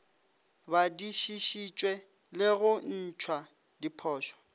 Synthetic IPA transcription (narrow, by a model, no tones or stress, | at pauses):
badiʃiʃit͡ʃʼwɛ | lɪɣʊn̩t͡ʃʰwa | dipʰɔːʃɔ̥